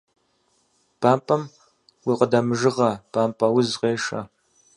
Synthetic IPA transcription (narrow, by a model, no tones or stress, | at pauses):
b̥aːmpʼɐm | wiːqədɐmɨʒɨʁɐb̥ʰaːmpʼɐwʊzqeːʂɐ̰